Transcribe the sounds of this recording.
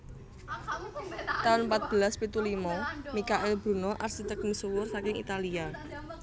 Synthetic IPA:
t̪aʊnpat̪̚b̥əlaspit̪ulimɔmikaʔɪlb̥ɾṳnɔʔarsit̪ək̚misuwʊrsakɪŋḭt̪alia

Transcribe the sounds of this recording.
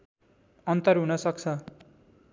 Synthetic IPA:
ʌnt̪ʌrɦunʌsʌk̚t͡sʰʌ

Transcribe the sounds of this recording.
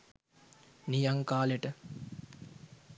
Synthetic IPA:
nijaŋkaːleʈə

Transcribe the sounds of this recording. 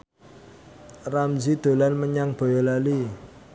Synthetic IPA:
ramzid̪̥o̤lanməɲaŋb̥o̤jɔlali

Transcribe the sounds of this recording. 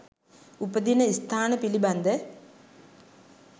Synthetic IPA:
upəd̪inəist̪ʰaːnəpiliband̪ə

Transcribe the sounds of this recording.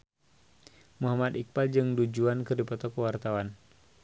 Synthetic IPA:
muɦamad̪ik̚bald͡ʒɨŋdud͡ʒuankɨrdipɔt̪ɔkəwart̪awan

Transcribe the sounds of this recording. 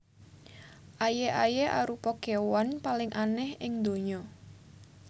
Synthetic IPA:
ʔajeʔajeʔa̰ɾupɔkewanpalɪŋʔanɛhɪŋd̪o̤ɲɔ

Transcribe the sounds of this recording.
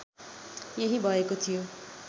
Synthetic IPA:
jeɦibʱʌekot̪ʰijo

